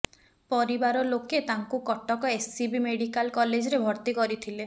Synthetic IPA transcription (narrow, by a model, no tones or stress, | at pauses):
pɔɾibaɾɔloket̪aŋkukɔʈɔkɔessibimeɽikalkɔled͡ʒɔɾebʱɔɾt̪ikɔɾit̪ʰile